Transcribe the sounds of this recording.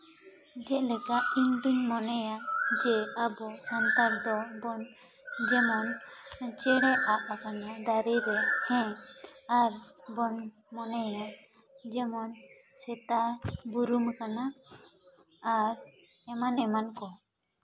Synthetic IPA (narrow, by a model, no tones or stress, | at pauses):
d͡ʒɛʔlɛkaʔimd̪unmɔnɛjad͡ʒɛabɔsant̪aɾd̪ɔbɔn | d͡ʒɛmɔnt͡ʃɛɽɛʔap̚akanad̪aɾiɾɛhɛ̃aɾbɔn | mɔnɛja | d͡ʒɛmɔn | sɛt̪abuɾumkana | ɾ | ɛmanɛmankɔ